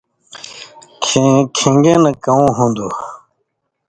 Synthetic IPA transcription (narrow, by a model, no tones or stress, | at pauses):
kʰĩŋɡẽːnɐkɐũːɦũnd̪u